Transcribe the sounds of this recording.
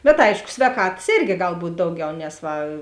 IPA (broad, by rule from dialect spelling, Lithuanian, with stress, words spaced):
bʲɛt ˈɐɪʃkʊ sʲʋʲɛːˈkɑːtɐs ˈeːrʲɡʲɪ ˈɡɐlˠ ˈbuːtʲ ˈdɐʊˌɡʲɛʊ nʲɛs ˈʋɐ